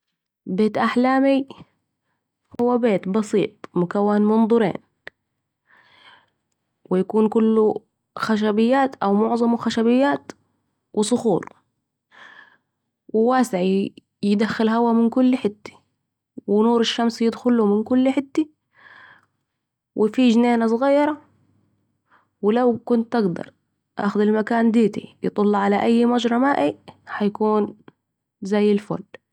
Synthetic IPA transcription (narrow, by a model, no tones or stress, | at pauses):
beːt̪ʔaħlaːmi | hʊwːabeːt̪bɑsḭːt̪̚ˤmʊkawːanmʊnd̪ˤʊɾḛːn | wɪjakuːnkʊlːu | xaʃ̬abɪjːaːt̪ʔawmʊʕzˤɑmxaʃabɪjːaːt̪ | wʔɪsˤʊxṵːɾˤ | wɪwaːsɪʕi | jɪd̪axːɪlɦawamɪnkʊlːħɪt̪ːi̥ | wɪnuːɾɪʃːamsjɪd̪xʊlːumɪnkʊlːħɪt̪ːi | wʔɪfiːʒneːnasˤɣɑːjːɑɾˤɑ | wɪlawkʊnt̪ːʔaɡd̪ɑ̰ɾˤ | ʔa̰ːxʊd̪ɪlmakaːnd̪eːt̪ḭjɨ̰t̪ˤɑlːɑʕalaʔajːmad͡ʒɾˤɑmaːʔiħajakuːn | zajːɪlfo̰ːl